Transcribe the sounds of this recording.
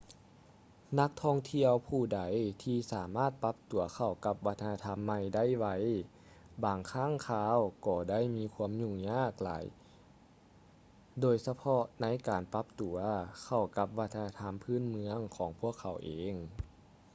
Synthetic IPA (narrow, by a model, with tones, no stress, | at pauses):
na˧˥k̚t̪ʰɔː˧˥˩ŋt̪ʰi˧əwpʰuː˧˩da˨˦jt̪ʰiː˧saː˨˩˦maː˥˩t̪̚pa˧˥p̚t̪u˨˩ɐkʰa˧˩wka˧˦p̚ʋa˦˥t̪ʰːa˧na˧t̪ʰa˧˥mːa˧˩jda˥˨jʋa˧˩j | baː˨ŋkʰaː˥˨ŋkʰaː˧˥wkɔː˧˩da˥˩˨jmiː˧˥kʰu˧˥əmɲu˧˩˨ŋɲaː˥˩k̚la̰ː˨˦j | doː˨˩jsa˧pʰɔ˧ʔna˧˥jkaː˨˩npa˧˥p̚t̪u˨˩˦ɐkʰa˧˩wka˧˦p̚ʋa˦˧t̪ʰːa˧a˧t̪ʰa˧˥mpʰɯː˧˥˨nmɯ˧˥əŋkʰɔː˩˦ŋpʰu˧˥˩əkʰːa˨˩wʔeː˨˦ŋ